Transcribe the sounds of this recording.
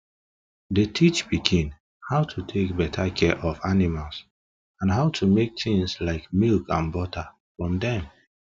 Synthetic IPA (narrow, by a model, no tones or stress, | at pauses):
detʰit͡ʃbiɡĩn | haʊtʰutʰek̚bɛtʰakʰɛʔɔfanimals | ãnɦaʊtʰumek̚tĩŋslaɪkmilkãnbɔta | fɹɔ̃mdɛ̃m